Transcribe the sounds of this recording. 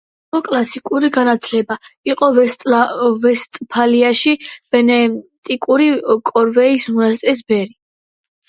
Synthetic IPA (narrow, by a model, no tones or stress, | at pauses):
iɔkʼlasikʼuɾiɡanat̪ʰlɛbaiqʼɔ | vɛst̪ʼpʰaliaʃib̥ɛnɛt̪ʼikʼuɾikʼɔɾvɛismunast̪ʼɛs̬bɛɾi